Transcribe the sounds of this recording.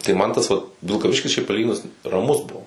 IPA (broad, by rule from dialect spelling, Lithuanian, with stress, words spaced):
tɐɪ ˈmɐn tɐs ˈʋɐt ʋʲɪlˠkɐˈʋʲɪʃʲkʲɪs ʃʲɛɪp pɐˈlʲiːɡʲɪnʊs rɐˈmʊs ˈbuɔ